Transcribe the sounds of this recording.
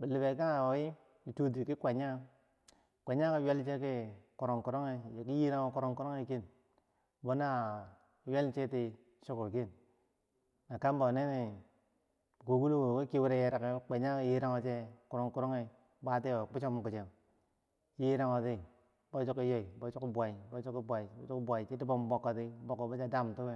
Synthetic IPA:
bi˨li˨be˨ka˦a˨o˨ji˦ | i˨tu˦t̬i˨ki˦kʷa˨ɲa˦ | kʷa˨ɲa˦ki˦we˦lt͡ʃe˦k̬i˦ku˨ɾo˨ŋku˨ɾo˦ŋe˦jki˦ji˦ɾa˦ŋo˦ku˦ɾo˦ŋku˦ɾo˦ŋe˦ki˦n | bo˦na˦˨ | we˦lt͡ʃe˦ti˦ | ʃo˦ko˨ki˦˨n | na˨ka˦mbo˨ne˦ni˨ | ku˨ɡu˦lu˦wo˨ki˦ki˦wi˦ɾe˦je˦ɾa˨ke˨˦k͡pe˨ɲa˦ji˦ɾa˦ŋo˦t͡ʃe˦ku˨ɾo˨ŋku˦ɾo˦ŋe˨ | ba˦ti˦o˨k͡pi˦t͡ʃo˦m˨ku˨t͡ʃe˨ŋ˨ | ji˦ɾa˦ŋo˨ti˦ | bo˦t͡ʃu˦ki˦jo˦i˨bo˨˦t͡ʃu˦ki˦bʷa˨i˨bo˦t͡ʃu˦ki˦bʷa˨i˨˦t͡ʃu˦kbʷa˨i˨t͡ʃi˦ti˦bo˦m˦bo˨kːo˨ti˦bo˨kːo˨bo˦t͡ʃa˦da˦˨m˨tu˦be˦

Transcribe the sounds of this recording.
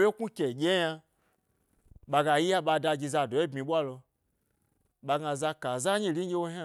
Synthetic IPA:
je˦ku˦kʲe˨ɡʲe˦ja˧ | ɓa˧ɡa˧˨ji˦ja˦ɓa˧da˧ɡi˧za˧˨do˨e˦bmĩ˧ɓʷa˦lo˧ | ɓa˧ɡa˧za˧ka˨za˦ɲi˦li˦ɡʲe˦wo˦ɦa˦

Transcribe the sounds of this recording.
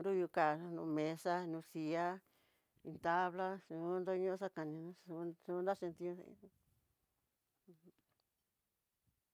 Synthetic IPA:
ɾu˦ju˧ka˨˧nṵ̃˧mẽ˨˧sa˦˧nũ˧si˧a˦ | ĩ˧t̪a˧βla˦sũ˧˦nd̪o˦˧ɲũ˦ʂa˦ka˨nĩ˧nũ˧˦u˧su˧nd̪a˦ʃĩ˧nt̪ĩ˧ũ˧sã̰˧ḭ̃˧

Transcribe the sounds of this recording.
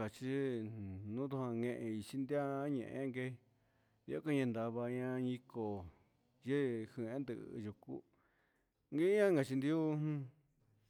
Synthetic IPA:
a˨t͡ʃi˦ | nũ˦t̪u˧hã˧ŋẽ˧ʔẽ˧i˧t͡ʃi˧nd̪a˦ɲḛ̃˧˨ʔḛ̃˦ŋɡe˧˦˧ | i˧a˦ko˦ɲẽ˧nd̪a˧βa˧ɲã˧ɲĩ˧ko˨ | je˦hi˧˨ẽ˦nd̪ɨ˧ʔju˨ku˦ | ŋɡe˦ɲã˦ŋɡa˧˨t͡ʃi˧nd̪i˦u˦nũ˦

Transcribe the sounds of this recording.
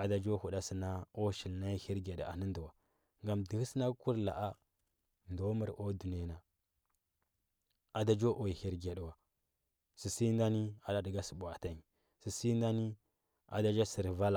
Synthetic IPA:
a˨da˨d͡ʒo˦hu˨da˦si˨na˦o˦ʃi˨lna˦hi˦ɾɡa˨ɗa̰˨nə˦ndu˨wa˨ | ŋɡa˨mdi˨hi˦sna˦ku˦ɾla̰˨ʔa˦ | ndo˦ma˦ɾʔo˦du˨n˨e˨na˨ | a˨da˦d͡ʒo˦ʔo˨ji˨hi˦ɾɡa˨ɗwa˨ | si˨si˦n˦da˦ni˦a˨da˦də˨ɡa˦sə˨bu˨a˨ta˦ɲ˨ | si˨si˦nda˦ni˦ | a̰˨da˦d͡ʒa˦si˨ɾva˦la˨

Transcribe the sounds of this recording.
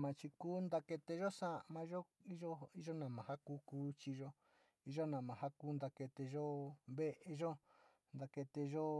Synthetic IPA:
mã˨˧t͡ʃi˧kuː˦nd̪a˧ke˧t̪e˧ʒo˦sã˦ʔmã˧˦ʒo˦i˦ʒo˦i˦ʒo˦nã˨mã˨ha˦kuː˦kuː˦t͡ʃi˧ʒo˦ | i˦ʒo˦nã˨mã˨ɦa˦kuː˦nd̪a˧ke˧t̪e˧ʒo˦βe˦ʔe˧ʒo˦ | nd̪a˧ke˧t̪e˧ʒo˦

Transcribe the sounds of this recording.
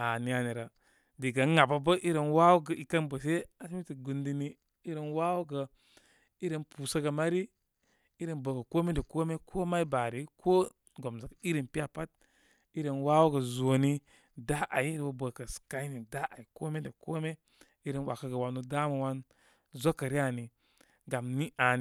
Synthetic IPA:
a˨ni˨a˨ni˨ɾa˨ | di˨ɡa˨˦ŋa˨ba˨bə˦ʔi˦ɾə˨nwa˦wu˦ɡə˨i˨kə˦nbə˨se˦a˦smi˦ti˨ɡu˨ndi˦ni˦ | i˦ɾe˨nwa˦wu˦ɡə˨ | i˦ɾə˨npuː˨sa˦ɡə˨ma˦ɾi˦ | i˦ɾə˨nbə˨kə˨ko˦me˦də˨ko˦me˦kʰo˦ma˦i˦ba˨ɾi˨kʰo˦ | ɡo˨mza˨ki˦ɾi˨npi˦a˦pa˦t̚ | i˦ɾe˨nwa˦wu˦ɡə˨zo˨ni˦ | da˦ʔa˨ji˦ɾe˨wo˨bə˨kə˨ska˦i˦ni˨da˦ʔa˨i˨ko˦me˦də˨ko˦me˦ | i˦ɾe˨nwa̰˨kə˦ɡə˨wa˨no˨da˦mə˨wa˦n | zo˦kːə˨ɾi˦a˨ni˨ | ɡa˨mni˦ʔa˨n˨

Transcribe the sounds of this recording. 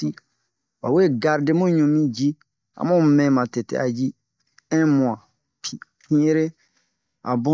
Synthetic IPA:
i˦ | wa˨we˦˨ɡa˨ɾde˦mõ˦ɲũ˨mĩ˦d͡ʒi˦ | ã̰˨mõ˦mɛ̃˨mã˨tɛ˨tɛ̰˨˦a̰˨d͡ʒi˦ | ɛ̃˦mũ˨ã˨ | pʰi˨ | pĩ˦e˦ɾe˦ | a̰˨bõ˦

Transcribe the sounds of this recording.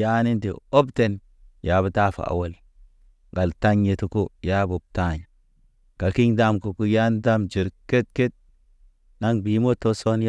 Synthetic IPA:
ja˦ni˦ntḭ˨o˦bte˦n | ja˨bu˦ta˦fa̰˨a̰˨wo˦l | ɡa˨lta˦ɲje˨tu˨ko˦ja˦bo˨b̚ta˦˨ɲa˨ | ka˨ki˦ɲda˦mku˨ku˦ja˦nda˦md͡ʒi˨ɾke˦t̚ke˦t̚ | na˦ŋbi˨mo˦tːo˦so˦nj

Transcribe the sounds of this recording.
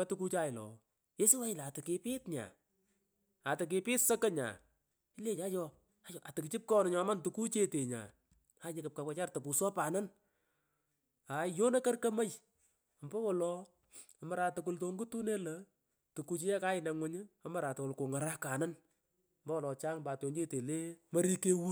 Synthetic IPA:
ɐ˦tuku˦t͡ʃa˦ɪ˨lɔ̰ː˨ | je˦si˦wa˦jɪ˨lːtɪ˨kɪ˧pɪ˦tɲa̰˨ | a˨tɪ˨k̬ɪ˨pɪ˦tsə˦kə˦ɲa̰˨ | ɪ˦le˦ɲa˦jɔ˧ | a˦jɔ˨ʔa˨tɪ˨kɪ˨t͡ʃɪ˦p̚kɔ˦nɪ˨˦ɲɔ˨˦ma˦ntu˨ku˦t͡ʃe˦te˨ɲa̰˨ | a˨˦ɲɪ˦kɪ˨p̚ka˨wʷɛ˧t͡ʃa˦rtɔ˨pu˨sɔ˦paː˨nɐ˦n | a˨jo˦na˦kɐ˦rkɐ˦mə˦j | ɔ˨mbɐ˦wɔ˨lɔ˨ | ɔ˨mɐ˨˦ɾa˨tʊ˨k̬ʊ˨lto˨˧ŋɡu˦tu˦ne˦lɐ˦ | tu˨ku˧t͡ʃi˦jɛ˦ka˦ɪ˨nɛ˨ŋwʊ˦ɲɪ˦ɔ˦mɐ˦ɾa˨twɔ˨lko˨ŋa˨ɾa˦ka˨nɐ˦n˨ | mbɐ˦wɔ˨lɔ˨t͡ʃaː˦ŋmba˨to˨ne˦te˨le˦mɐ˦ɾi˦ke˦wu˦

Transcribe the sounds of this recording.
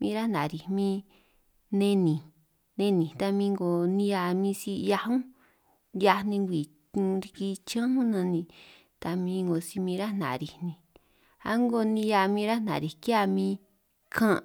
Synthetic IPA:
mĩː˦˧ɾa˦nã˨ɾi˨mĩ˦ | nẽ˧nĩ˨ | nẽ˧˦nĩ˨t̪a˧mĩ˧ŋɡo˨nĩ˧ja˧mĩ˦si˧˦˧ja˧hũ˦ | ja˧nĩ˧ŋɡʷi˨˧ | ɾi˧ki˧t͡ʃã˦hũ˦nã˧nĩ˧ | t̪a˧mĩ˧˦ŋɡo˨si˧mĩ˧ɾa˦nã̰˨ɾi˧˨nĩ˧ | a̰˦ŋɡo˧nĩ˧ja˧mĩ˧ɾa˦n̥ã̰˨ɾi˨ka˧mĩ˦˧ | kʰã˦˧

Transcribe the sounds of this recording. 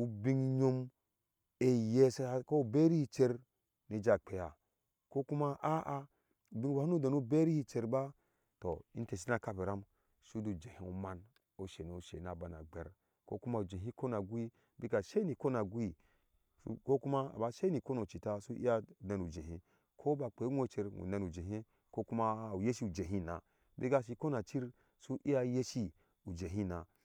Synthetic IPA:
u˦bi˦ŋ˦ɲo˦m | e˦je˦sa˦ko˦˨be˦ɾi˦hi˦t͡ʃe˦ɾ | ni˨d͡ʒa˨k͡pe˨ja˨ | ko˦ku˦ma˦ʔa˦ʔa˦˨ | bi˦wa˨˦u˦da˨nu˦be˦ɾi˦hi˦t͡ʃe˦ɾba˦ | to˨ḭ˦n˦te˨s̬i˦na˨ka˦˨be˨ɾa˦m | su˦du˨d͡ʒe˨hi˨u˨ma˦n | o˦ʃe˨n˨o˨ʃḛ˨na˨ba˨na̰˨ɡ͡be˨ɾ | ko̰˦ku˦ma˨u˨d͡ʒe˨ɦi˦ko˦na˨ɡu˦i˦ | bi˦ɡa˨ʃe˦ni˨ko˦na˨ɡu˦i˦ | u˦ko˦ku˦ma˦a̰˨ba˦ʃe˦ni˨ko˦no˨t͡ʃi˨ta˦su˦ʔi˦a˦˨na˨nu˨d͡ʒe˨ɦi˦ | kʰo˦ba˨k͡pe˨˦ŋʷ˦o˦t͡ʃe˨ɾŋṵ˨na˦˨nu˨d͡ʒe˨ɦi˦ | ko˦ku˦ma˦˨u˨je˦ʃi˦u˨d͡ʒe˨ɦi˦˨na̰˨ | bi˦ɡa˨ʃ̬i˨ko˦na˨t͡ʃi˦ɾ | su˦ʔi˦a˦je˦ʃi˦ | u˨d͡ʒe˨ɦi˦na˨

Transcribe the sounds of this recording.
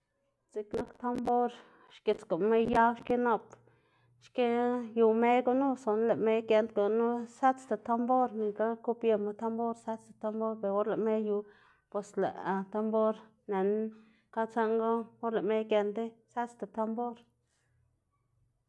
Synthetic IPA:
t͡si˧kna˦kt̪a˦mbo˦ɾ | ʃki˨t͡sko˨me˦jja˦wʃke˦no˧p | ʃke˦ju˧me˦jɡo˧nu˦so˨n˦le˨me˦jɡe˧nt̪ɡo˨nu˦sa˦t͡st̪a˨t̪a˧mbo˦ɾni˨ka˦ku˦pje˧ma˧t̪a˦mbo˦ɾsa˦t͡st̪ḁ˨t̪a˧mbo˦ɾpe˨ɾo˦ɾle˨ʔme˦ju˧ | pwe˨slḛ˨ʔa˨t̪a˧mbo˦ɾ | ne˨n | ka˦t͡sa˦ŋɡo˦o˦ɾle˨ʔme˦jke˧nd̪e˦sa˦t͡st̪a˨t̪a˧mbo˦ɾ

